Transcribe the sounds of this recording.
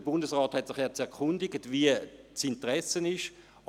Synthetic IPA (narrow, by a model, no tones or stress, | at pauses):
əbʊndəsʁɑːthɛtsɪχɛɐt͡sɛʁkʰʊndɪɡətviət͡sɪntəʁɛsənɪʃ